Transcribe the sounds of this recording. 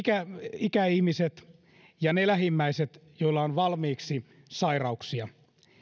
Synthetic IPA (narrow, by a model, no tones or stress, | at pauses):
kæikæihmiset̪ | jɑnelæhimːæiset̪joilːɑonʋɑlmiːksi | sɑirɑuksiɑ